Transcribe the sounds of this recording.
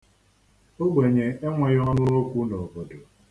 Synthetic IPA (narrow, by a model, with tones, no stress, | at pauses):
o˦ɡ͡bʷe˨ɲe˨e˦ŋʷe˨jɔ˦ɔ˦n˦ʊ˦ɾo˦kʷu˦no˨bo˨do˨